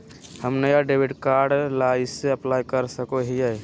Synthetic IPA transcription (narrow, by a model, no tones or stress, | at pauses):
həmnəjaɖebʱiʈkaɾɖlaiseəplajkəɾsəkoɦijɛ